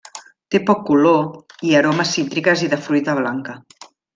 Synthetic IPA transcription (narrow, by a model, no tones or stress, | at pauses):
t̪epɔkːuloiəɾoməsːint̪ɾikəziðəfɾujt̪əβ̞laŋkə